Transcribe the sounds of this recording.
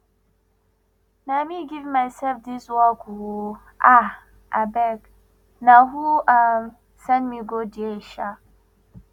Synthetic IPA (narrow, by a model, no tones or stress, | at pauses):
namiɡivmajsɛlfdiswɔku | a | ʔa̰bɛk | naɦuʔam | sanmiɡodieʃa